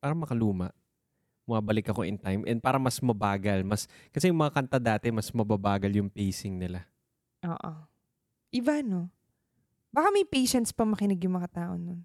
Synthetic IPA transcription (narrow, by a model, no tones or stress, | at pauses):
paːɾɐmɐkɐluːmɐ̰ʔ | mʊmaːbɐlɪkɐkoʔɪnt̪ajmʔɛ̰nd̪̚paːɾɐmɐsmɐbaːɡɐlmɐskɐsɛjʊŋmɐŋakɐnt̪ɐd̪aːt̪ɛmɐsmɐbabaːɡɐljʊŋpejsɪŋnɪla | ʔo̰ːʔo̰ | ʔɪbano̞ | baːkɐmɐjpejʃɛnt̪spɐmɐkɪnɪɡjʊŋmɐŋat̪aːʔo̞̰non